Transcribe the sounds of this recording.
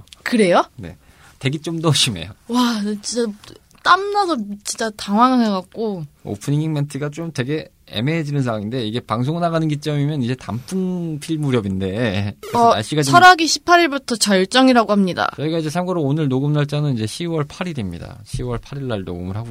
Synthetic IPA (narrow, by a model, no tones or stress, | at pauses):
kɯɾe̞jone̞̰ | te̞ɡit͡ɕ͈omnʌɕʰime̞̰jowat͡ɕint͡ɕ͈a | t͈amnadot͡ɕint͡ɕ͈ataŋwaŋaŋeɡak̚k͈oo̰pʰɯnɲiŋiŋmentʰɯɡat͡ɕ͈omte̞ɡe̞ | ḛmeːd͡ʑinɯnsʰaŋwaŋinde̞iɡe̞paŋs̬ʰoŋɯnaɣanɯnɡit͡ɕ͈ʌmimjʌnid͡ʑe̞ta̰mpʰɯnpʰiɭmuɾjʌbinde̞ʌaɭɕ͈iɡaiʌɾaɡiɕʰi̥pʰaɾiɭbutʰʌt͡ɕʌɭt͡ɕ͈ʌŋiɾaɡohamɲida̰t͡ɕʌiɡaid͡ʑe̞sʰamɡʌɾoonɯɭnoɡɯmnaɭt͡ɕ͈anɯnid͡ʑe̞ɕʰiwʌɭpʰaɾiɾimɲḭda̰ɕʰiwʌɭpʰaɾiɭːaɭno̰ɡɯ̰mɯɭɦaɡo